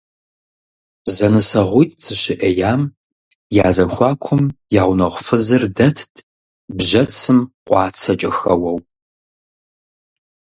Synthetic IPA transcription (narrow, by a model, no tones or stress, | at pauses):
zɐnɨsɐʁʷʊjtʼz̥ɨɕɪʔɐjaːm | jaːzɐxʷɑːkʷʰʊmjaːʁʷnɐʁʷfɨzɨrdɐtʰtʰʼ | bʑɐt͡sʰɨmqʷʼɑːt͡sʰɐt͡ʃʼɐxɐwɐw